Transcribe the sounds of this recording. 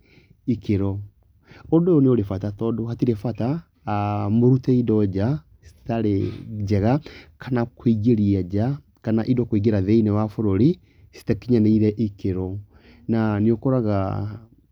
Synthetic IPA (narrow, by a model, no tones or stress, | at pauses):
ikeɾɔ | odoneoɾefatatɔdohatiɾefata | moɾutɛidɔd͡ʑa | si̥taɾed͡ʑɛɣakʰanakwiɣeɾiad͡ʒa | kanaʔidɔkwiɣeɾaðeinɛwafoɾoɾi | si̥takiɲaneiɾɛʔikeɾɔ | naniokɔɾaɣa